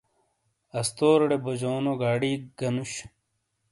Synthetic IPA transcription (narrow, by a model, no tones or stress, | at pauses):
ɐst̪oːɾɽebod͡ʑoːnoɡaːɽiːɡ̥ɐnuɕ